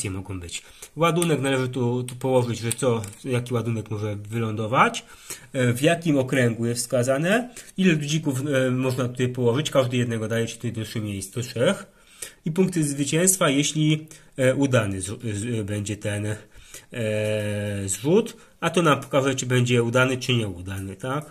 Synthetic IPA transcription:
jɛmɔɡɔ̃w̃bɘt͡ɕ | wad̪unɛknalɛʐɘt̪ut̪upɔwɔʐɘd͡ʑʐɛt̪sɔjakʲiwad̪unɛkmɔʐɛvɘlɔnd̪ɔvat͡ɕ | vjakʲimɔkɾɛŋɡujɛsfskazanɛilɛud͡ʑikufmɔʐnat̪u̥t̪ajpɔwɔʐɘt͡ɕkaʐd̪ɘjɛd̪nɛɡɔd̪ajɛt͡ɕɛ̥ut̪ajd̪ɔt̪ʂɘxmʲjejsɔtʂɛx | ipuŋkt̪ɘzvɘt͡ɕɛ̃ñst̪fajɛɕlʲi | ʔud̪anɘbɛɲd͡ʑɛt̪ɛn | zʐut̪ | at̪ɔnampɔ̥kaʐɛt͡ʂɘbɛɲd͡ʑɛud̪anɘt͡ʂɘɲɛud̪anɘt̪ak

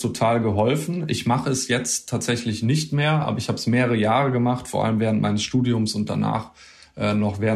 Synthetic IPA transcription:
tʰotʰaːlɡəɦɔlfn̩ɪçmaχəɛsjɛt͡stʰːaːtz̥ɛçlɪçnɪçtmeːɐʔa̰ːbɐɪçhaːbəsmeːʁəʁəjaːʁəɡəmaχtfoɐʔa̰ləmvɛːʁəntmaɪnəsʃtuːdiʊmsʊnt̚d̥a̰na̰ːχ | ʔɛːnɔχvɛː

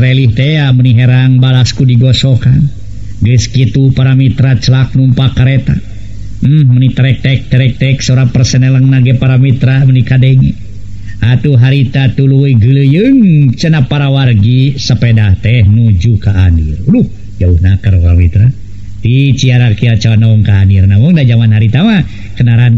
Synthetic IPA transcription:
ɾɛliht̪ɛaməniɦɛɾaŋbalaskudiɡɔsokan | ɡəskit̪upaɾamit̪ɾat͡ʃəlak̚numpakəɾet̪a̰ | m̩mənit̪əɾɛk̚t̪ɛk̚t̪əɾɛk̚t̪ɛksɔɾapərsənɛləŋnaɡɛpaɾamit̪ɾamənikadeŋḭ | at̪uɦaɾit̪at̪uluiɡələjɨŋt͡ʃənapaɾawarɡisəpedaht̪ɛhnud͡ʒukaːnirduh | d͡ʒauhnakaɾkamit̪ɾa | t̪it͡ʃiaɾakiat͡ʃaanaɔŋkaːnirnaməŋdad͡ʒamanɦaɾit̪ama | kənaɾan

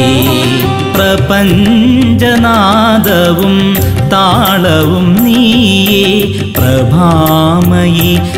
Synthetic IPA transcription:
pɾɐpɐɲd͡ʒɐnaːd̪ɐʋum | t̪aː | ɭɐʋumniːjeː | pɾɐbʱaːmɐji

